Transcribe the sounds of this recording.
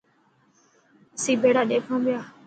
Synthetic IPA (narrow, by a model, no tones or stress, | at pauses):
əsĩːbeːɽaːɗeːkʰãːʋɪjaː